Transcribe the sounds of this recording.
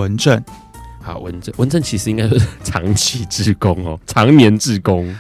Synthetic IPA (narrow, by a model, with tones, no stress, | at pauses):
ə˨˦nʈ͡ʂə˥˨n | a̰˨˩wə̰˧˦nʈ͡ʂə˥˨nwə˧˦nʈ͡ʂə˥˨nt͡ɕʰi˧˥ʂ̬ɻ̩˨˦i˦ŋka˦ɪt͡ɕo˥ʂ̩˥˩ʈ͡ʂʰɑ̰˨˦ŋt͡ɕʰi˨˦ʈ͡ʂɻ̩˥˨ko˦ŋɔ̰˨ʈ͡ʂʰɑ˨˧˦ŋnjɛ˨˦nʈ͡ʂɻ̩˥˨ko˦ŋ